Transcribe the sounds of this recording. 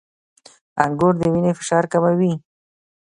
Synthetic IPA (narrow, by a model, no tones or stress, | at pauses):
aŋɡoɾd̪əwinefɪ̥ʃɑɾkamawi